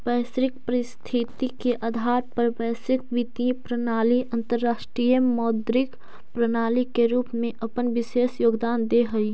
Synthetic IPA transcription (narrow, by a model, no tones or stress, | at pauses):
pɛːsɾɪk̚pəɾɪst̪ʰit̪ikeʔad̪ʱaːɾpəɾʋɛːsɪk̚ʋit̪ĩpɾənaːliɐ̃nt̪əɾːaːʃʈɾiːjəmɔːd̪ɾɪk | pɾənaːlikeɾuːpmẽʔɐpənʋɪʃeːsjoːɡd̪aːnd̪eɦɐiː